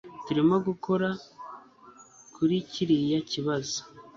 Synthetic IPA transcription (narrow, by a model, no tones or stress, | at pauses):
tuɾimaɡukʰo̞ɾa | kʰuɾiciɾijaciβazo̥